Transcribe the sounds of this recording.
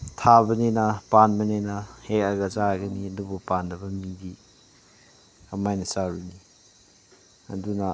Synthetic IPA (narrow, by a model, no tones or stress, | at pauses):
tʰabɐnenɐpanbɐnenɐhek̚ɐɡɐzaɡɐniɐdubupandɐbɐmibi | ɐmajnɐsaɾuni | ɐ̰dunɐ